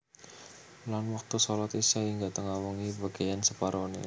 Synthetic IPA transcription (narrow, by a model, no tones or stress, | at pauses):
lanwak̚t̪usɔlat̪isaiŋɡaʔt̪əŋawuŋibaɡ̥ajansəpaɾonḛ